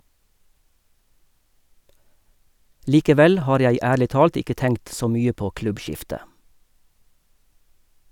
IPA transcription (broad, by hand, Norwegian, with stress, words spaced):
liːkəˈʋɛl ˈhɑːɾ ˈjæɪ ˈæːɭɪ ˈtɑːlt ˈɪkə ˈtɛŋkt ˈsoː ˈmyːə ˈpoː ˈklʉbˌʃɪftə